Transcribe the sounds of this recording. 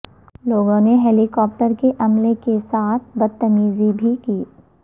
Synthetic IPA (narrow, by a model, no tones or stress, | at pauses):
loːɡõneɦeːlikɔːp̚ʈəɾkeʔɐmlekesaːt̪̚ʰbɐt̪ːəmiːzibʱikiː